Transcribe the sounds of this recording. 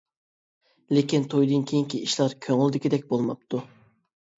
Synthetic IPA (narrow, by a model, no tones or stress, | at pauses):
lekʲint̪ʰojd̪ɨnkʲʰejiŋkʲiiʃlˠɑɾkʲʰøŋylˠd̪ɪkʲid̪ɛk̚ʲbolˠmɑp̚t̪ʰu